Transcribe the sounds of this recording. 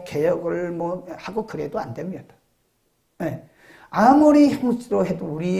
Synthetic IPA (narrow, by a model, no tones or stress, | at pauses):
ke̞jʌɡɯɭmwʌhaɡokɯɾe̞doandwemɲʌd̥ḁ | je | amuɾiçjʌŋsʰɯɾoɦedouɾi